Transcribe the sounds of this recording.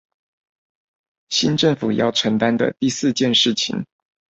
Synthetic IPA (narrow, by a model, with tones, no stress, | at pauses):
ɕi˥nʈ͡ʂɤ˥˩ŋfu˨˩jɑ̰˥˩ʊʈ͡ʂʰə˧˥ŋt̪a˥nd̪ə̰˨t̪i˥˧sɹ̩˥˧t͡ɕjɛ˥˧nʂɻ̩˥˩t͡ɕʰḭ˨˩ŋ